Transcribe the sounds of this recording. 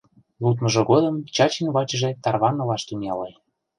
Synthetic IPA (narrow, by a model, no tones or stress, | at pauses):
lut̪mɤ̆ʒɤ̆ɡod̪ə̆mt͡ɕɑt͡ɕinβɑt͡ɕʒĕt̪ɑrβɑnɤlɑʃt̪ynɑlej